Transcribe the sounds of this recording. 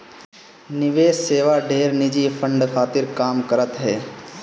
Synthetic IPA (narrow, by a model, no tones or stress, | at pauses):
nɪʋeːsseːʋaɖʱeːɾnɪd͡ʒipʰə̃ɳɖkʰaːt̪ɪɾkaːmkəɾət̪ɦɛː